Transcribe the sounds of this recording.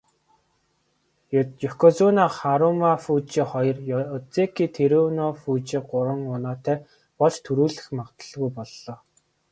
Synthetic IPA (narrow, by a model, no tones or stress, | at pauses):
jɵkʰɔt͡sunaχaɾʊmafut͡ɕiːχɔjɞ̆rjɔt͡sekʰiːt̪ʰeɾunɔfuːt͡ɕiːɢʊɾə̆ŋʊnɔːt̪æː | pɔɮt͡ɕt̪ʰɵɾuːɮɘ̆xmawt̪ə̥̆ɮɣujpɔɮːɔː